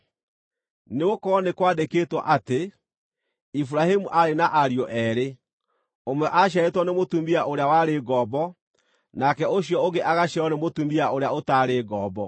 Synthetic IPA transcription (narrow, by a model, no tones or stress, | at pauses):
neokɔnekwadekeːtwɔ̰ʔate | ifuɾahimuʔaɾenaʔaɾiɔʔɛɾe | omwɛʔaɕ̬aetwɔnemotumiaʔoɾeawaɾeɡɔːbɔ | nakɛoɕjɔoɡeʔaɣaɕaɔnemotumiaoɾeaotaːɾeɡɔːbɔ